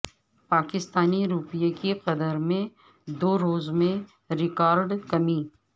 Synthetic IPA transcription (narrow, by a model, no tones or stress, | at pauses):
paːkɪst̪aːniɾuːpɪjakeqɐd̪əɾmẽ | d̪oːɾoːzmẽ | ɾɪkaːɾɖkɐmi